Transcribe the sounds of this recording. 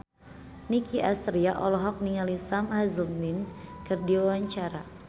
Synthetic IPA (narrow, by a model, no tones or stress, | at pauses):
nikiʔast̪ɾiaʔɔlɔɦɔk̚niŋalisamhazəldinkɨrdiwawaɲt͡ʃaɾa